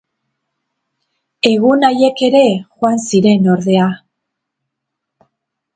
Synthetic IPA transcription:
e̞ɣunaje̞ke̞ɾe̞xoansiɾe̞no̞ɾðe̞a

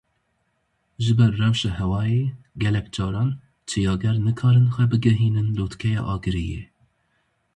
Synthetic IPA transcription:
ʒɨbɛɾːɛwʃɑːhɛwɑːjeː | ɡɛlɛkd͡ʒɑːɾɑːn | t͡ʃʰɨjɑːɡɛɾnɨkʰɑːɾɨnxʷɛbɨɡɛɦiːnɨnloːt̪kʰɛjɑ̰ːʔɑːɡɨɾijḛ

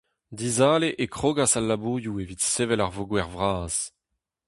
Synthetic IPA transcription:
dizaːleʔekχoːɡasalːabuːjuevitseːvɛlaʁvoɡwɛʁvʁaːz̥

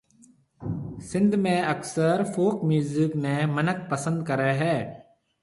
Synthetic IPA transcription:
sɪ̃nd̪mẽɐksəɾfoːkmjuːzɪknemənək̚pəsə̃nd̪̚kəɾeɦɛː

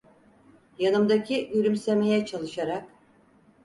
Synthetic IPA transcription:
janɯmd̪acʰiyɾʲymse̞me̞jɛt͡ʃʰalˠɯʃaɾak

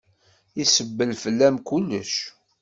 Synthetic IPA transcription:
isəbːəlfəlːæmkulːə̰ʃ

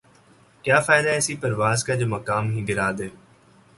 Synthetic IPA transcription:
kjaːfaːɪd̪aːɛːsiːpəɾʋaːzkad͡ʒoːməkaːmɦĩːɡɪɾaːd̪eː

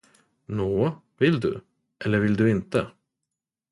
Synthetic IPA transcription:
noː | vɪld̪ɵ̰ | ʔɛlːəɾvɪld̪ɵɪnt̪ə

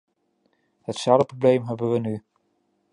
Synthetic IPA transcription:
hətsaləproblejmɦɛbənʋəny

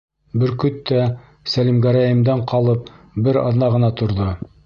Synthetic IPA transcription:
bɘɾkɵt̪ːæ | sælimɡæɾæjɘ̆md̪ɑɴqɑlˠɤp̚ | bɘɾɑ̰ðnɑʁɤ̆nɑt̪ŏɾðo

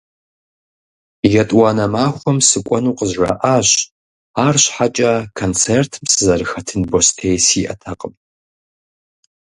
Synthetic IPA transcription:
jɐtʼwɑːnɐmaːxʷɔmsɨkʷʼɔnuːqəʑrɐ̰ʔaːɕ | aːrɕħat͡ʃʼɐkʰont͡sʰertʰɨmsɨzɐrɨxɐtʰɨnbostʰeːjsiːʔɐtʰɐqʼəm

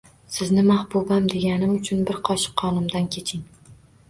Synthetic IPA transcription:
sɪznɪmahbʊbamd̪e̞ɡʲanɪmʊt͡ʃʰʊnbɪɾqʰɒʃɪ̥qʰːɒnɪmd̪ankʲʰe̞t͡ʃʰɪŋ

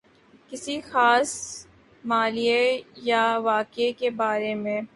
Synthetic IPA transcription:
kɪsixaːs | maːlijejaʋaːkekebaːɾemẽ

